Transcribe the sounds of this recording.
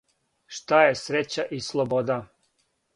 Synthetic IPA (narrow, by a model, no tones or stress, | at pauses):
ʃt̪ajesɾet͡ɕaʔislˠobod̪a